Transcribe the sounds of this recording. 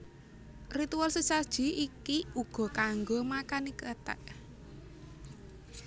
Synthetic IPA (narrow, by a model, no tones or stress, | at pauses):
rit̪ualsəsad̥ʒ̥i̤ikiuɡ̥ɔ̤kaŋɡomakanikət̪ɛ̰ʔ